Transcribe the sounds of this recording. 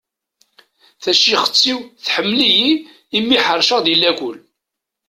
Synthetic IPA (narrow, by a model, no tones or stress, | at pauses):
θæʃiχə̥t͡sːiwθħəmːliji | imːiħəɾˤʃəʁðilːækʷʊl